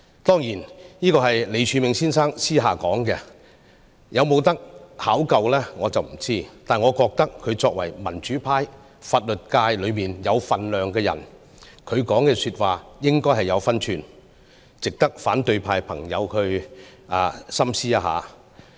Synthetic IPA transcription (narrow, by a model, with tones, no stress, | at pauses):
t̪ɔː˥ŋjiː˨˩nniː˥kɔː˧ɦɐ˨jle˨˧jt͡ʃʰyː˨˧mɪ˨˧ŋsiː˥nsaː˥ŋsiː˥ɦaː˨kɔː˨˥ŋkɛ˧ | jʔɐ˨˧wmo˨˧wt̪ɐ˥k̚haː˨˥wkɐ˨wlɛː˥ŋɔː˨˧t͡sɐ˨wm̩˨˩t͡siː˥t̪aː˨˩nŋɔː˨˧kɔː˧k̚t̪ɐ˥kʰːɵ˨˧ɥt͡sɔː˧k̚wɐ˨˩jmɐ˨˩nt͡ʃyː˨˥pʰaː˧j | faː˧t̚lɵ˨t̚kaː˧jlɵ˨˧ɥmiː˨njɐ˨˧wfɐ˨nlœː˨ŋkɛː˧jɐ̰˨˩n | kʰɵ˨˧ɥkɔː˨˥ŋkɛː˧syː˧t̚waː˨jɪ˥ŋkɔː˥jɦɐ˨jɐ˨˧wfɐ˥nt͡ʃʰyː˨n | t͡sɪ˨k̚t̪ɐ˥k̚faː˨˥nt̪ɵ˧ɥpʰaː˧jpʰɐ˨˩ŋjɐ̰˨˧wkʰɵ˧ɥʔa̰ː˨˧sɐ˥msiː˥a˧˥ɦa̰ː˨